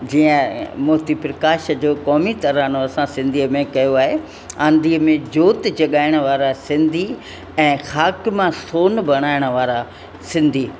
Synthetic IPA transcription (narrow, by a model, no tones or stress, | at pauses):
d͡ʑiːə̃mʊɦt̪ipɾɐkaːʃd͡ʑoːkɔːmit̪ɐɾaːñoɐsãsɪ̃nd̪ʱiːəmẽkɐjoaːɦe | ãːnd̪ʱiːəmẽd͡ʑoːt̪d͡ʑɐɠaːɪɽ̃ə̆ʋaːɾasɪ̃nd̪ʱi | ɛ̃ːxaːkɪmãsoːnbɐɽ̃aːɪɽ̃ə̆ʋaːɾa | sɪ̃nd̪ʱiː